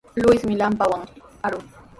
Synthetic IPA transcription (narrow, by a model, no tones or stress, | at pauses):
lʊjsmɪlampawaŋaɾʊŋ